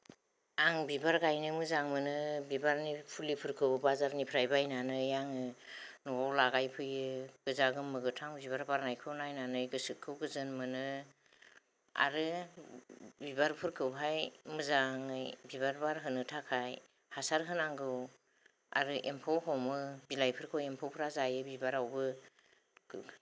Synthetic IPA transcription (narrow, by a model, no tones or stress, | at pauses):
aŋbibaɾɡajnɯmɯzaŋmɯnɯbibaɾnipʰulipʰɯɾkʰɯbazaɾnipʰɾajbajnanɯjaŋɯnɔawlaɡajpʰɯjɯɡ̥ɯzaɡɯmɯɡɯtʰaŋbiβaɾbaɾnajkʰɯwnajnanɯjɡɯsɯkʰːɯwɡɯzɯnmɯnɯ | a̰ɾɯ | bibaɾpʰɯɾkʰɯwpʰajmɯzaŋɯjbibaɾbaɾɦɯnɯtʰakʰaj | hasaɾɦɯnaŋɡɯw | a̰ɾɯʔempʰowɦɔmɯbilajpʰɯɾkʰɯwempʰowpʰɾazajɯbibaɾawbɯ